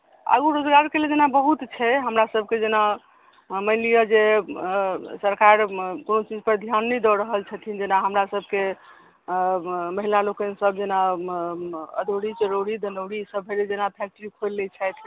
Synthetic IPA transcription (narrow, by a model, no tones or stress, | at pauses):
ə̰ɡuɾod͡ʒɡaɾkeled͡ʒenabəɦut̪t͡ʃʰɛɦəmɾasəb̚ʱked͡ʒena | məɪlijəd͡ʒe | səɾkaɾkonot͡ʃid͡ʒpəɾd̪ʱjanːɛd̪ɔɾəɦəlt͡ʃʰət̪ʰind͡ʒenaɦəmɾasəb̚ʱke | məɦilalokənsəbd͡ʒena | əd̪ʱoɽit͡ʃəɾoɽid̪ənəwɽisəbɦeled͡ʒenapʰɛk̚ʈəɾikʰolːɛt͡ʃʰɛt̪ʰ